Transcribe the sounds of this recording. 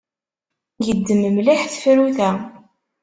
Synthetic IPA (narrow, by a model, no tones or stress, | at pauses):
jəd̪ːəməmliħθfɾuθæ